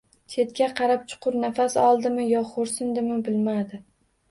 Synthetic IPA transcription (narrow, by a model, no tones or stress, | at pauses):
t͡ʃʰe̞t̪̚kʲaqʰɑɾap̚t͡ʃʰʊ̥qʰʊɾnafasɒlˠd̪ɪmɪjɒχoɾsɪnd̪ɪmɪbɪlmad̪ɪ